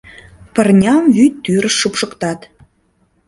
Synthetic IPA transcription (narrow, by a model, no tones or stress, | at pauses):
pərnʲɑmvyt̪ːyɾəʃːupʃəkt̪ɑt̪